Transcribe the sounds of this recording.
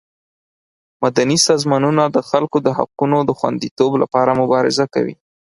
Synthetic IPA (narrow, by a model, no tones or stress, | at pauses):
mad̪anisɑzmɑnunad̪əxalkod̪əha̰qunod̪əxwa̰nd̪it̪obla̰pɑɾamʊbɑɾɪ̰zaka̰wḭ